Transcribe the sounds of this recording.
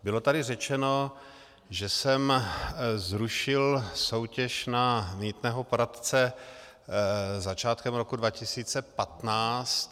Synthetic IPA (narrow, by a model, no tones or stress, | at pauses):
bɪlo̞t̪adɪrɛt͡ʃɛno̞ | ʒɛsɛm | zɾuʃɪlso̞wcɛʃnamɲiːt̪nɛːɦo̞poɾat̪t͡sɛ | zat͡ʃaːt̪kɛmɾokudvacɪsiːt͡sɛpat̪naːt͡st̪